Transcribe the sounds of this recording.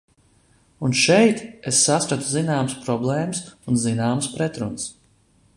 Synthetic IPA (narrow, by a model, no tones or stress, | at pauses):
unʃɛjt̪esːaspɾat̪uzinaːməspɾɔblˠɛːmɨsunzinaːməspɾɛt̪ɾunəs